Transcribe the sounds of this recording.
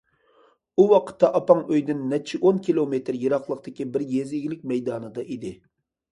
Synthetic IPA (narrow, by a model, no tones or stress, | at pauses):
uwɑqʰə̥t̪ːɑʔɑpɑŋøjd̪ɪnːɛt͡ʃʰiʔonkʲilˠomet̪ɾjɨɾɑqlˠəqt̪ɪkʲibɪɾjeziɡʲlɪk̚ʲmɛjd̪ɑːnɨd̪ɑʔid̪ɪ